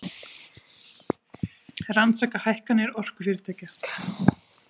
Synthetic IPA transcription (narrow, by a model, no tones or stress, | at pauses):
ransaːkahajhkanɪɛɾɔr̥kʏ̥fɪːɾɪɾt̪ʰaːca